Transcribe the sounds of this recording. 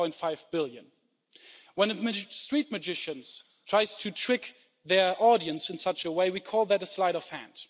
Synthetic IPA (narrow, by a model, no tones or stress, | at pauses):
ɔ̃ɪ̃ntfaɪvbɪlˠjɨ̰̃n | wə̃nstɹ̥it̚mɨd͡ʒɪʃɨ̃nz̥ | tʰɹ̥aɪz̥tʰɨtʰɹ̥ɪk | ðə˞ʔɔɾiɨ̃nsɨ̃nsʌt͡ʃəweɪwikʰɔlˠðɨɾəslaɪɾʌv̥hæ̰̃nd̥